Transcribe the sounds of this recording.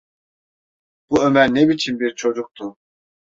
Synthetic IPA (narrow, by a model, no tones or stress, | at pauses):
b̥uømæɾnɛbit͡ʃʰinbiɾt͡ʃʰod͡ʒuk̚t̪ʰu